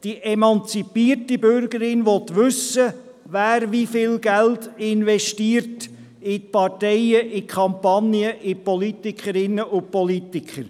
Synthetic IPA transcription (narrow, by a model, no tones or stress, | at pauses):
d̥iʔɛmɑnt͡sipiərtibʏɾɡəɾɪnʋɔt̪ʋʏsə | ʋæːɾʋifɪlɡæltɪnʋɛʃtiːəɾt | ɪpɑtɛɪəʔɪkχɑmpɑniəʔɪpɔlitikχəɾɪnːəʔʊpɔlitɪkʰəɾ